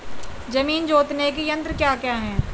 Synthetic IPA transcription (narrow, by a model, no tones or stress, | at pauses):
d͡ʒɐmiːnd͡ʒoːt̪nekijɐ̃nt̪ɾkjaːkjaːɦɛ̃ː